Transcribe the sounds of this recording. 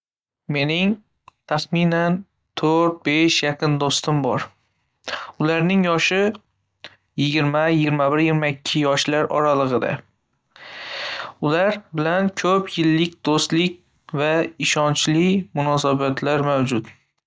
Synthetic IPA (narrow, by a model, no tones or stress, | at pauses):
me̞nɪŋ | t̪ʰaχminan | t̪ʰɵɾt̪̚beʃjaqʰɨnd̪ost̪ɪmbɒɾ | ʊlaɾnɪŋjɒʃɪ | jɪɡʲɪɾmajɪɡʲɪɾmabɪɾjɪɡʲɪɾmaɪkʲʰːɪjɒʃlaɾʔɒ̰ɾalˠɨʁɨd̪a̰ | ʊlaɾbɪlankʲʰɵpʰjɪlːɪkʲd̪ost̪lɪkʲ | vaɪʃɒnt͡ʃlɪmʊnɒsabat̪ʰlaɾmawd͡ʒʊt̪